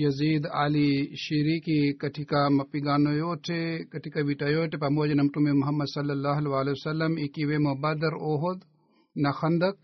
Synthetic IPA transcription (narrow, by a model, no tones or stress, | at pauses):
jɐziːd̪a̰ːliʃiɾikikɐʈʰikamɐpiɡaːnojoːʈʰekɐʈʰikaʋiʈɐjoːʈʰepɐmoːd͡ʒenɐmʈumemuɦɐmːɐd̪sɐlːɐlːaːɦɐlʋaːlesɐlːɐmikiʋemɐbɐd̪ɐɾoːɦod̪ | nɐxɐnd̪ɐk̚